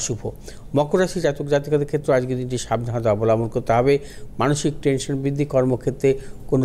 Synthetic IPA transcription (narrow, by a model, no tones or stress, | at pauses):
ʃubʱo | mɔkoɾaʃid͡ʑat̪ukd͡ʑat̪ikad̪eɾkʰet̪ːɾead͡ʑɡed̪inʈiʃabnaɦad̪eabolamonkoɾt̪eɦɔbe | manoʃik̚ʈenʃonbɾid̪ʱːikɔɾmokʰet̪ːɾekono